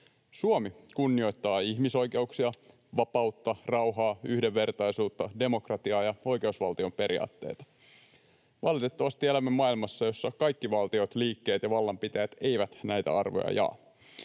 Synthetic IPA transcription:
suomikunːio̞jt̪ːɑːiçmiso̞jke̞uksiɑ | ʋɑpɑwt̪ːɑrɑwɦɑːyhdeʋːe̞rt̪ɑjsuːt̪ːɑde̞mo̞krɑt̪iɑːjɑo̞jke̞usʋɑ̰lt̪io̞mpe̞ɾḭɑ̰ːt̪ːe̞̰ːt̪ɑ̥ | ʋɑlit̪e̞t̪ːɑʋɑst̪ielæmːemːɑilmɑsːɑjo̞sːɑkɑjkːiʋɑlt̪io̞t̪liːkːe̞ːt̪jɑʋɑlːɑmpit̪æjæt̪e̞jʋæt̪næjt̪æ̰ɑrʋo̰jɑ̰jɑ̰ː

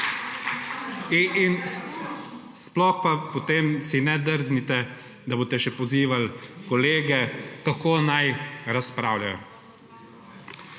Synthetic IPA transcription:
in | splɔxpapɔt̪eːmsinɛd̪əɾznit̪ɛ | d̪aboːt̪ɛʃɛpɔziːʋalkɔleːɡɛkakoːnajɾaspɾaːwlʲjajɔ̰

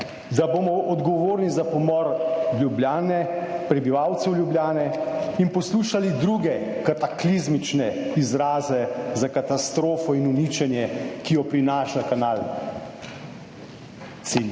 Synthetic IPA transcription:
d̪aboːmɔʔɔd̪ɡɔʋoːɾnizapɔmɔɾljubljaːnɛpɾɛbiʋawt̪sɛwljubljaːnɛinpɔsluːʃalid̪ɾuɡɛkat̪aklizmit͡ʃnɛizɾaːzɛzakat̪ast̪ɾoːfɔinunit͡ʃɛnjɛkijɔpɾinaːʃlakanal | t̪si

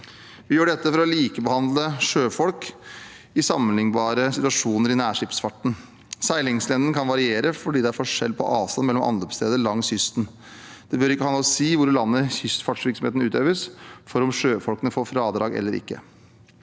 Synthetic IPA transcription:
ʋɪjøːɖɛt̪ːəfɔɾɔliːkəbəhɑnd̪ləʂøːfɔlk | ɪsɑmːənhɪŋbɑːɾəsɪt̪ʉɑʂuːnəɾɪnæːʂɪpsfɑʈːɳ̩ | sæɪlɪŋslɛnd̪ənkʰɑnʋɑɾɪeːɾəfɔɖiːd̪ɛæɾfɔʂɛ̰lpʰɔ̰ʔɑːʋst̪ɑnmɛlːɔmʔɑ̰nlɔpst̪ʰeːd̪əlɑŋːsʏst̪n | d̪̥ɛbøɾɪkːəhɑnɑɔsiːʋʊɾlɑnːəçʏst̪fɑʈʂʋɪɾksɔm̩eːt̪nʉːt̪øːʋəsfɔɾɔmʂøːfɔlkənəfoːfɾɑːd̪ɾɑːɡɛ̰lːəɾɪ̰kːə̰

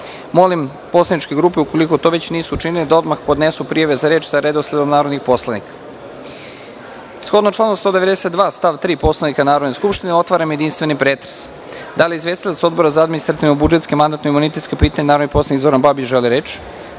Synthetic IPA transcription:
mo̞lim | po̞slˠanit͡ʃke̞ɡɾuːpeuko̞liko̞t̪oʋe̞t͡ɕniːsuːt͡ʃiniled̪ao̞d̪maxpo̞d̪ne̞supɾijaʋezaɾeːt͡ʃsaɾed̪oslʲed̪omnaːɾo̞d̪nixpo̞slˠanikḁ | sxo̞d̪not͡ʃlˠanost̪od̪e̞ʋed̪esed̪ʋaːst̪aʋt̪ɾiːpo̞slanikanaːɾod̪ne̞skupʃt̪ineo̞t̪ʋaːɾamjed̪inst̪ʋe̞nipɾeːt̪ɾe̥s | d̪alieizʋe̞st̪ilat̪so̞d̪bo̞ɾazaad̪minist̪ɾat̪iʋnubud͡ʒe̞t̪skemand̪at̪noimunit̪et̪kepiːt̪aɲenaːɾod̪nikpolˠanikizboɾanbabit͡ʃʒeliɾe̞t͡ʃ

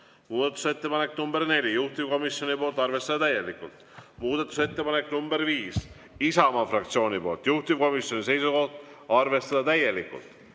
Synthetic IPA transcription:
muːd̪̥ɑt̪ːˑu̥se̞t̪ːe̞pɑne̞knumbe̞ɾne̞lʲijuht̪ivko̞misjo̞nipo̞ːlt̪ːˑɑɾrve̞st̪ɑd̪ɑt̪æjːe̞likːult̪muːd̪̥ɑt̪ːˑu̥se̞t̪ːe̞pɑneknumbe̞ɾviːs | isɑmɑfrɑkt̪sio̞ːnʲipo̞ːlt̪juht̪ivko̞misjo̞nis̬e̞jsuko̞ht̪ɑrve̞st̪ɑd̪̥ɑt̪æje̞likːˑṵlt̪

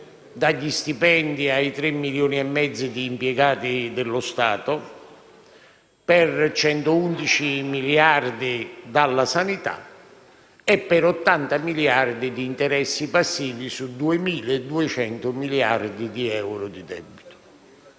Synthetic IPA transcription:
d̪aʎːist̪ipɛnd̪iait̪ɾɛmːiljoːniɛmːɛd̪zːid̪iːmpjɛɡaːt̪id̪ɪlːʊst̪aːt̪ʊ | pɛrt͡ʃɛnt̪ʊund̪it͡ʃimiljard̪id̪alːasanit̪a̰ | ɛpːɛɾɔt̪ːant̪amiljard̪id̪iːnt̪ɛɾɛsːipasːiːvisud̪uɪmiːled̪uɛt͡ʃɛnt̪ʊmilia̰rd̪id̪iɛwɾʊd̪id̪ɛbːit̪ʊ̥

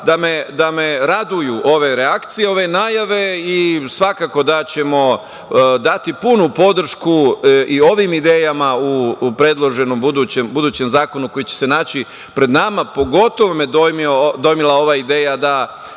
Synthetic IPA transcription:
d̪amed̪ame̞ɾad̪ujuʔo̞ʋe̞ɾeakt̪sije̞o̞ʋe̞naːjaʋe̞isʋakaːko̞d̪at͡ɕe̞mo̞ | d̪at̪ipunupo̞d̪r̩ʃkuʔio̞ʋimid̪e̞ːjamaupɾe̞d̪lˠo̞ʒe̞no̞mbud̪uːt͡ɕembud̪uːt͡ɕe̞mzaːko̞nuko̞jit͡ɕese̞naːt͡ɕi | pɾe̞d̪namapo̞ɡo̞t̪o̞ʋo̞med̪ojmiod̪o̞jmilˠao̞ʋaid̪eːjad̪a

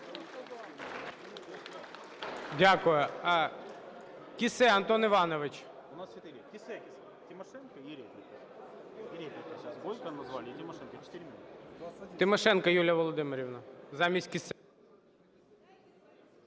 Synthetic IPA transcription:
dʲakʊjʊ | kʲɪsɛɐnt̪onɪʋɑnɔʋɪt͡ʃ | ʊnast͡ʃʲɪt̪ɪɾʲkʲɪsɛ | tʲɪmɐʂɛnkɐiɾʲeplʲɪkɐ | ɾʲeplʲɪksbojkɐnɐzʋalʲt̪ʲɪmɐʂɛnkɐt͡ʃɪ̥t̪ɪɾʲmʲɪnut̪t̪ɪmɐʂɛnkɐjulʲjɐʋɔlˠɔd̪ɪmɪɾʲɪʋnɐzamʲisʲtʲkʲɪsɛ

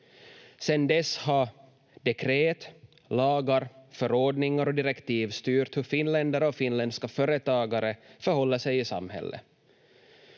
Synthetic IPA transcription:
sɛnd̪ɛsːhɑ | d̪ɛkʰɾeːt̪ | lɑːɡaɾfœɾɔɖnɪŋaɾɔd̪ɪɾɛkt̪iːvst̪yːɾt̪hɵɾfɪnlɛnd̪aɾəɔfɪnlɛnd̪skafœːɾət̪ɑːɡaɾəfœɾhɔlːəsɛjɪsa̰mhɛ̰lːʔə̰

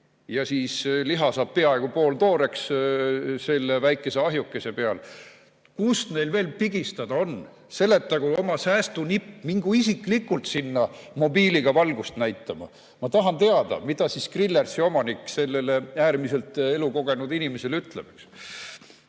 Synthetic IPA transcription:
jɑsiːsliɦɑsɑːb̥̚pe̞ɑe̞ɡ̥upo̞ːlt̪o̞ːɾe̞ks | se̞lːevæjkːˑe̞se̞ɑɦjukːˑese̞pe̞ɑl | kust̪ne̞jlve̞ːlpiɡ̥ist̪ɑd̪̥ɑo̞n | se̞lːe̞t̪ːɑɡ̥uo̞mɑsæːst̪unipːmiŋɡ̥uisikˑlikːˑult̪sinːɑmo̞biːliɡ̥ɑvɑlɡust̪næjt̪ːˑɑmɑ̰ | mɑt̪ɑɦɑnt̪e̞ɑd̪̥ɑ̰mid̪̥ɑsiskrilːærsio̞mɑnikːse̞lːe̞leæːrmise̞lt̪e̞luko̞ɡ̥e̞nud̪inimese̞lyt̪ˑlemeks

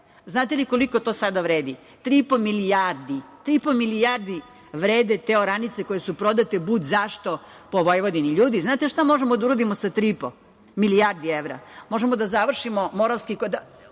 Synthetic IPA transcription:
znaːt̪eliko̞liko̞t̪o̞sad̪aʋɾeːd̪i | t̪ɾipomilijaɾd̪it̪ɾipo̞milijaɾd̪i | ʋɾeːd̪et̪eoɾanit̪seko̞jesupɾo̞d̪at̪ebud̪zaʃt̪o̞ | poʋojʋod̪iniʎuːd̪iznaːt̪eʃt̪amo̞ʒemod̪auɾod̪imosat̪ɾipo | milijaɾd̪ieʋɾa̰mo̞ʒemod̪azaʋr̩ʃimomo̞ɾalskikod̪a

